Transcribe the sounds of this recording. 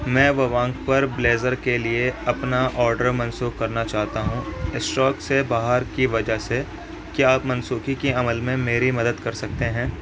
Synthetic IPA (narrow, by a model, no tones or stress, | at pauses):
mɛ̃ːʋɐʋãːŋkpɐɾbleːzəɾkelieɐpnaʔɔːɾɖəɾmɐ̃nsuːkkːɐɾnat͡ʃaːɦt̪aɦũɪsʈɔːksebaːɦəɾkiʋɐd͡ʒaɦse | kiaːpmɐ̃nsuːkikiɐməlmẽmeːɾimɐd̪əd̪kɐɾsɐk̚t̪eɦɛ̃ː